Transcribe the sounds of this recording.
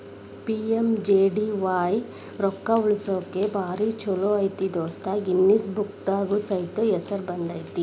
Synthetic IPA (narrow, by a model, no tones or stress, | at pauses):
piemd͡ʒeːɖiʋaːj | ɾɔkːauɭisoːkebaːɾit͡ʃɔloːɐjt̪id̪ɔːst̪ʰaɡinːisbuk̚t̪aːɡusɐjt̪oɛsɐɾbɐnd̪ɐjt̪i